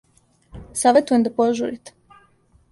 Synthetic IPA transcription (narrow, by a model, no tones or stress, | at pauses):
saʋet̪ujemd̪apoʒṵɾit̪e̥